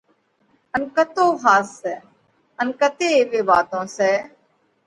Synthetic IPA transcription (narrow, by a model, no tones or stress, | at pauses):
ənkət̪oːɦaːsːɛː | ənkət̪eːeːʋeːbaːt̪õːsɛː